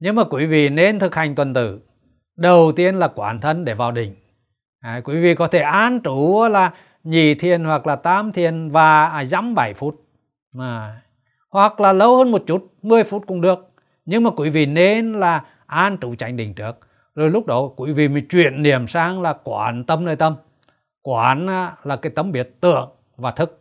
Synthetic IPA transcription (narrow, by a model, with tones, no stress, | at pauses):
ɲɨ˧ŋmaː˨˩kwi˧˦vḭ˧˨ne˧nt̪ʰɨ˨˩k̚ha˨˩jŋ̟t̪wə˨˩nt̪ɨ̰˧˩ | ɗə˨˩wt̪i˧ənlaː˨˩kwaː˨˩˦nt̪ʰə˧nɗe˧˩vaː˨˩wɗï˨˩ŋ̟ | ʔkwi˨˦vḭ˧˨kɔ˨˦t̪ʰe˧˩ʔaː˧nt͡ɕu˨˦˨laː˨˩ | ɲi˨˩t̪ʰi˨ənhwa˨˩k̚laː˨˩t̪aː˨˦mt̪ʰi˨˧˩ənvaː˨˩˨za˨˦mɓa˧˩jfu˦˥t̚ | aː˨˩ | hwa˨˩k̚laː˨˩lə˨˦whəː˧nmo˨˩t̚t͡ɕu˦˥t̚mɨ˧əjfu˦˥t̚kʊ˧˥ŋ͡mɗɨ˨˩ək̚ | ɲɨ˧ŋmaː˨˩kwḭ˧˨˦vḭ˧˨ne˧nlaː˨˩ | ʔaː˧nt͡ɕu˨˦t͡ɕa˨˧˦jŋ̟ɗï˨˩ŋ̟t͡ɕɨ˦˥ək̚ | zo˨˩jlʊ˦˥k͡p̚ɗɔ˨˦kwḭ˧˦vḭ˨˩mə˨˦t͡ɕwḭ˧˨ənːi˧˩əmsaː˧ŋlaː˨˩kwaː˧˨˦nt̪ə˧mnəː˧jt̪ə˧m | kwaː˨˦naː˨˦laː˨˩kaː˨˦jt̪ə˨˧˦mɓi˨˦˩ət̚t̪ɨ̰˧˨əŋ | vaː˨˩t̪ʰɨ˦˥k̚